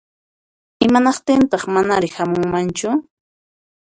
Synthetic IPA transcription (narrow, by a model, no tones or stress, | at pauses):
ɪmanɑqt̪ɪnt̪ɑχmanaɾɪhamʊŋmant͡ʃʊ